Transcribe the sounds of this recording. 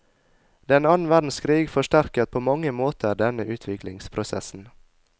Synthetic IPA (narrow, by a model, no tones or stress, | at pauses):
d̪ɛnɑːnn̩ʋædn̩skʰɾiːɡfɔʃtæɾkət̪̚pʰoːmɑŋəmoːt̪ʰəɾɖ̪ɛnəʔʉːt̪ʰʋɪklɪŋspʰɾʊsɛ̰sn̩